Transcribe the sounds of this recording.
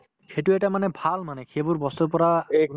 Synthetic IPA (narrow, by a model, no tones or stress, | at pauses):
xetuɛtamanɛbʱalmanɛxʰebʊɹbɔsɔpɔɹa